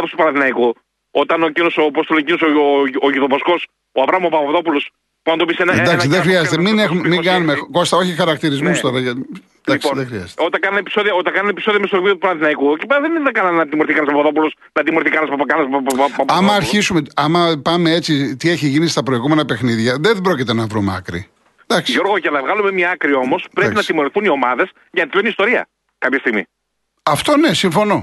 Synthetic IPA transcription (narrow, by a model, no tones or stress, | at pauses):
ðost̪upɐnɐθinɐiku | o̞t̪ɐnocinosopost̪olocinosooʝiðovosko̞s | oɐvɾɐmopɐpɐɐðo̞pulo̞s | puɐnt̪opisenɐd̪ɐksiðexɾiɐzet̪eminexumemiɡɐnumeko̞st̪ɐoçixɐɾɐkt̪iɾizmust̪o̞ɾɐʝɐt̪ | d̪ɐksðexɾiɐ̰ze̥t̪ot̪ɐkɐnɐnepi̥soðiɐot̪ɐkɐnɐnepi̥soðiɐmest̪oviot̪upɐnɐθinɐikucipeɾɐðenðɐɡɐnɐnnɐt̪imoɾθikɐnɐs̬pɐpɐðop̬ulos | nɐt̪imoɾiθikɐnɐspkɐnɐspɐɐmɐːɾçisumeɐmɐpɐmee̞t͡sit̪ie̞çiʝinist̪ɐpɾoiɣume̞nɐpe̞xniðʝɐðe̞bɾo̞cit̪e̞nɐvɾumɐ̰kɾḭ | d̪ɐksiʝoɾɣoʝɐnɐvɣɐlumemɲɐɐkɾio̞mo̞spɾepinɐt̪imo̞ɾiθunio̞mɐðe̞s | ʝɐnɐt̪ilonist̪o̞ɾiɐ̰ | kɐpçɐst̪iɣmḭ | ɐft̪o̞ne̞siɱfo̞no̞